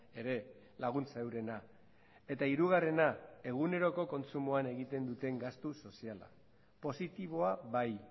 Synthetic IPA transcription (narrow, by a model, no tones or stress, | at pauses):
e̞ɾe̞ | laɣ̞unt͡saewɾe̞na | e̞t̪aiɾuɣ̞are̞nae̞ɣ̞une̞ɾo̞ko̞ko̞nt͡sumoane̞ɣit̪e̞nd̪ut̪e̞ŋɡast̪uso̞siala̰ | po̞sit̪iβ̞o̞aβaj